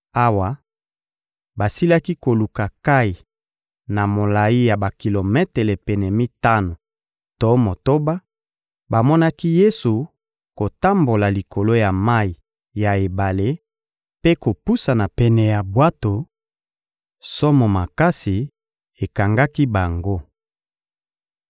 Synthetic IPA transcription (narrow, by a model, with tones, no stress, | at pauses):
a˦wa˨ | ba˨si˦la˦ki˦ko˨lu˨ka˨ka˦i˨ | na˨mo˨la˨i˦ja˨ba˨ki˨lo˨mɛ˦te˨le˨pɛ˨nɛ˨mi˦ta˦no˨ | to˦mo˨to˦ba˦ | ba˨mɔ˦na˦ki˦je˦su˨ | ko˨ta˦mbo˨la˨li˨kʰo˨lo˦ja˨ma˦i˨ | ja˨e˨ba˨le˦ | pe˦ko˨pu˦sa˨na˨pɛ˨nɛ˨ja˨bwa˦to˨ | sɔ˦mɔ˨ma˨ka˦si˨ | e˨ka˨ŋɡa˦ki˦ba˨ŋɡo˦